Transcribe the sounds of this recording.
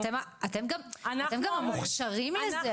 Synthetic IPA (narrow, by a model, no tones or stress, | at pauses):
temaatemɡamat̪emɡammuχʃaʁimleze